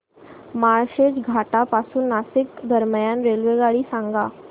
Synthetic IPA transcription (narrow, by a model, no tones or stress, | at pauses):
maɭɕed͡ʑɡʱaʈapasuːnːasikd̪ʱəɾməjanɾelʋeɡaɭiːsãŋɡa